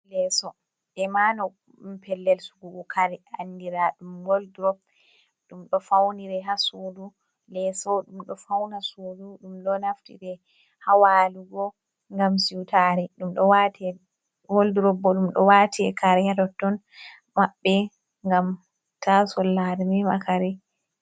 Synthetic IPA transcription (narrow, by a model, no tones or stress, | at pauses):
lɛsɔ | ɗɛmanɔ | mpʰɛlːɛlsuɡuɡɔkʰaɾiandiɾaɗumɡoldɾɔb | ɗumɗɔfawniɾɛɦasudu | lɛsɔɗumɗɔfawnasuːduɗumɗɔnaftḭɾɛ | hawaːluɡɔ | ŋɡamsiwtaɾɛɗumɗɔwatɛ | ɡolduɾɔbːɔɗumɗɔ̰watʰiɛ̰kaɾɛjadɔtːɔn | maɓːɛ | ŋɡam | tʰasɔlːaɾmima̰kʰaɾɛ